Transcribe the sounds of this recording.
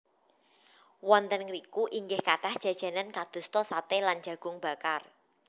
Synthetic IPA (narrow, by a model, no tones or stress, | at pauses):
wɔnt̪ənɾikuʔiŋɡɪhkaɖ̥ahd̥ʒ̥ä̤d̥ʒ̥ä̤nankad̪̥ṳst̪ɔsat̪eland͡ʒä̤ɡ̥ʊ̤ŋb̥a̤kar